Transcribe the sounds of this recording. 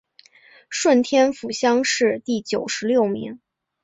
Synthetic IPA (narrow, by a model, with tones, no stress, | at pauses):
ʂwə˥˩nt̪ʰjɛ˥nfu˨˩ɕjɑ˥ŋʂɻ̩˥˧t̪i˥˩t͡ɕjo˨˩ʊʂɻ̩˧˥ljo˥˩ʊmi˧˥ŋ